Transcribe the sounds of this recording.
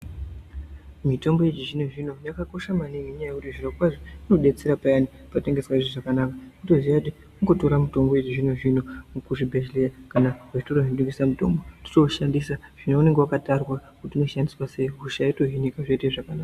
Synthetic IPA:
mito̞mbo̞jet͡ʃiʐino̞ʐino̞jakako̞ʃamaniŋeɲajekutiʐirokwaʐiuno̞ɗe̞t͡seɾapajani | pateŋɡe̞swaiʐiʐakanakautoziati | uŋɡo̞to̞ɾamuto̞mbojet͡ʃiʐino̞ʐino̞ukuʐibʱe̞ʒlejakanaɦaʐitoroɦindukɡisamuto̞̰mboti̥to̞ʃandisaʐ̥inoune̞ŋɡewakatarwakutiuno̞ʃandiswase̞ɦuʃaitoɦinikaʐeiteʐakanaːka

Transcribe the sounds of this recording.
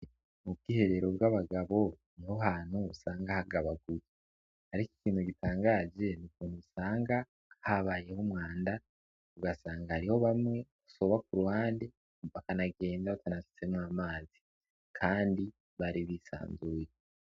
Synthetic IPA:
mub̚ɡiːhe̞ɾe̞ɾo̞bɡaβaɡaβo̞ | niho̞haːn̥huːsaːŋɡahaɡaβaɡuje | haɾiki̥kiːnhuɡitʰaːŋɡaːze̞nukuːn̥huusaːŋɡa | haβaːje̞humŋaːnda | uɡasaːŋɡahaɾiho̞βamŋe̞ɡu̥so̞βakuɾuhaːnde | βakanaɡe̞ːndaβatanafi̥se̞mwaːmaːzi | kʰaːndi | βaɾiβisa̰ːnzuːje

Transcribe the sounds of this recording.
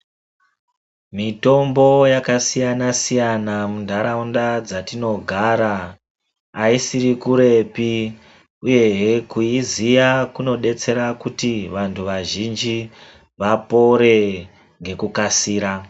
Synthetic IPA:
mito̞mbo̞jakasijanasijanamundʱaɾaundad͡zatino̞ɡʱaɾaː | isiɾikuɾe̞pi | uje̞ɦekuizijakuno̞ɗe̞t͡se̞ɾakutiʋantʰuʋaʒind͡ʒi | ʋapo̞ɾe̞ | ŋɡe̞kukasiːɾa

